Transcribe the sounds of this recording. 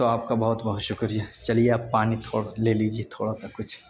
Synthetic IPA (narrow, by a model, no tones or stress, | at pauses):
t̪oaːp̚kabɐɦʊt̪bɐɦʊt̪ʃʊkɾijat͡ʃɐlieaːpːaːnit̪ʰoːɽaleːlid͡ʒiet̪ʰoːɽasakʊt͡ʃʰ